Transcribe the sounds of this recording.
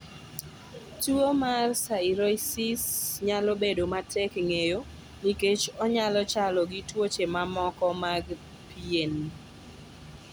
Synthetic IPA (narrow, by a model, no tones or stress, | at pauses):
tuomarsaiɾɔjsisɲalobedomatʰɛkŋejo | niket͡ʃɔɲalɔt͡ʃalɔɡitwot͡ʃemamɔkɔmaɡ | pien